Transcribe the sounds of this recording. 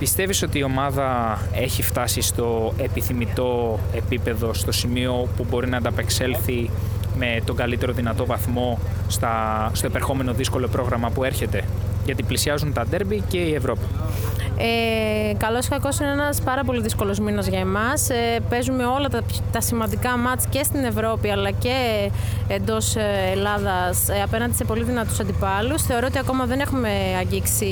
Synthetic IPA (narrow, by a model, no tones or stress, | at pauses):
pist̪e̞viso̞t̪iːo̞mɐðɐe̞çift̪ɐsist̪o̞e̞piθimit̪o̞e̞pipe̞ðo̞st̪o̞simio̞pubo̞ɾinɐnd̪ɐpe̞kse̞lθi | me̞t̪o̞ŋɡɐlit̪e̞ɾo̞ðinɐt̪o̞vɐθmo̞st̪ɐst̪o̞epeɾxo̞me̞no̞ðisko̞lo̞pɾo̞ɣɾɐmɐpue̞ɾçe̞t̪e̞ʝɐt̪iplisiɐzunt̪ɐd̪e̞ɾbice̞ie̞vɾo̞pi̥ | ekɐlo̞skɐko̞sineenɐspɐɾɐp̬o̞liðisko̞lo̞zminɐzʝɐemɐspe̞zume̞o̞lɐt̪ɐ | t̪ɐsimɐnd̪ikɐmɐt͡sce̞st̪ine̞vɾo̞piɐlɐce̞ː | nd̪o̞selɐðɐsɐpenɐnd̪ise̞po̞liðinɐt̪usɐnd̪ipɐlusθe̞o̞ɾoot̪iɐko̞mɐðe̞ne̞xume̞ | ɐɲɟiksi